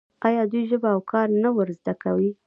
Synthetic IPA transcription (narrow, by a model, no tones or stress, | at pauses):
ɑjɑd̪ujʒəbaawkʰɑɾnawəɾzd̪akawi